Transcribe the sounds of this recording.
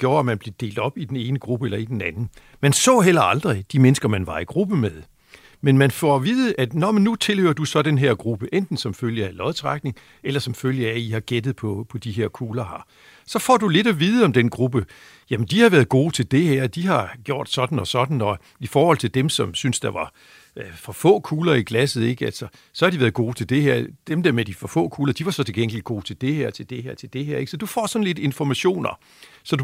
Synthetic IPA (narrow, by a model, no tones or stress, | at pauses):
ɡ̥jo̝ːɐæmænb̥le̝d̥e̝̰ːld̥ɒ̽b̥id̥ene̝ːnəɡ̥ʁub̥əelɐid̥en̩ænn̩ | mænsɔ̰̽ːɦel̰ɐɑ̈ld̥ʁid̥imenəsɡ̥ɐmænʋɑ̈iɡ̥ʁub̥əmeðˠ | menmænfɒʋiːðˠəʔæd̥nɒmnut͡sʰe̝lhøɐd̥usɒ̽d̥enɦeɐ̰ɡ̥ʁub̥əʔend̥n̩sɒ̽mføl̰jəælɒ̽ð̩ˠt͡sʰʁɑɡ̥̚ne̝ŋ | elɐsɒ̽mføl̰jəæihɑ̈ɡ̥ed̥ð̩ˠpʰɒpʰɒ̽d̥iɦeɐ̰kʰuːlɐɦɑ̈ | sɒ̽fɒ̰ːd̥ule̝dæʋiːð̞̩ˠəɒ̽md̥enɡ̥ʁub̥ə | jæmend̥ihɑ̈ʋæːɐð̩ˠɡ̥o̝ːt͡sʰe̝ld̥e̝ɦæɐ̰d̥iɦɑ̈ɡ̥jo̝ɐ̰d̥sɒ̽d̥n̩ɒ̽sɒ̽d̥n̩ɒ̽ | ifɒːhɒ̽l̰t͡sʰe̝d̥emsɒ̽msynsd̥ɑ̈ʋɑ̈ | fɒfɔ̰̽ːkʰuːlɐiɡ̥læsð̩ˠe̝ɡ̥əælsɒ | sɒ̽hɑ̈d̥iʋæɐð̩ˠɡ̥o̝ːt͡sʰe̝ld̥e̝hæɐ̰d̥emd̥æɐ̰med̥ifɒ̽fɔ̰ːkʰuːlɐd̥iʋɑ̈sɒ̽t͡sʰe̝lɡ̥eŋ̰liɡ̥o̝̰ːt͡sʰe̝ld̥e̝heɐ̰t͡sʰe̝ld̥e̝heɐ̰t͡sʰe̝ld̥e̝heɐe̝ɡ̥sɒ̽d̥ufɒ̰ːsɒ̽n̩le̝d̥e̝nfɒmæɕo̝̰ːnɐ | sɒ̽d̥u